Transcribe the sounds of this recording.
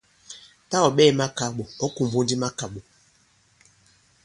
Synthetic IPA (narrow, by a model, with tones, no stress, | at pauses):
ta˦ɔ˨ɓɛː˦˨ma˦ka˨ɓo˨ɔ˦ku˨m˨bo˦n˦di˦ma˦ka˨ɓo˨